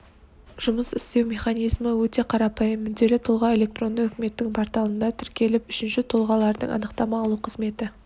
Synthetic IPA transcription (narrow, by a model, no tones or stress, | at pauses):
ʒ̥ʊməsʏst̪e̞wmʲe̞χɑnijzməwɵt̪e̞qʰɑɾɑpɑjəmːʏzd̪e̞lɪt̪ʰʊlˠʁɑe̞lʲe̞k̚t̪ro̞nd̪əɵkʲɪme̞t̪ːɪŋpʰɑɾt̪ɑlˠənd̪ɑt̪ʰɪɾkʲe̞lɪpʏʃɪnʃɪt̪ʰʊlˠʁɑlˠɑɾd̪ə̰ɴɑ̰nəqt̪ɑmɑːlˠuqʰəzme̞t̪ɪ